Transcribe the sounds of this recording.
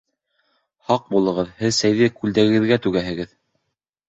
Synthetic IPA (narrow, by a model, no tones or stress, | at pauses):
hɑq̚bulˠɤ̆ʁɤðhɘðsæjðɘkʉld̪æɡɘ̆ɡɘ̆ðɡæt̪ʉɡæɦɘ̆ɡɘð